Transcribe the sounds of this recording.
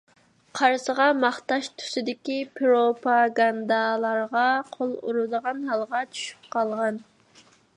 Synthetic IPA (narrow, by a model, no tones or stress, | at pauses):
qʰɑɾsəʁɑmɑχt̪ɑʃt̪ʰy̥sɪd̪ɪkʲipʰɾopʰɑɡɑnd̪ɑlˠɑɾʁɑqʰolˠṵɾud̪əʁɑnɦɑlˠʁɑt͡ʃʰy̥ʃy̥p̚qɑlˠʁɑn